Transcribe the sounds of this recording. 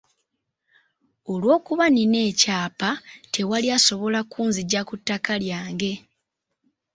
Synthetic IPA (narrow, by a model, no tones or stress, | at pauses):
o̞lwo̞ːkuβanine̞ːcaːpatʰe̞waliaso̞βo̞lakuːnziɟakutːakaljaːŋɡe̞